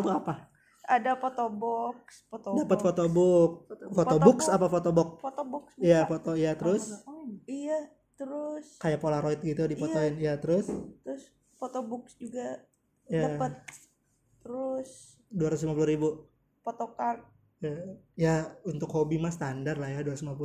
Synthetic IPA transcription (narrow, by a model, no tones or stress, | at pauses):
t̪oapa | adafot̪obɔkspot̪odapət̪̚fot̪obʊk̚fot̪ob̪ʊksapafot̪obɔk̚fot̪obʊksijafot̪oijat̪əɾʊsija | t̪əɾʊskajapolaɾoit̪̚ɡit̪udipot̪oɪnijat̪əɾʊst̪əɾʊs | fot̪obʊksd͡ʒuɡa | jdaaət̪̚ː | əɾʊs | duwaɾat̪uslimapuluɾibu | pot̪okart̪̚ | jajaunt̪ʊkhobimast̪andarlajaduaɾauslimap̬u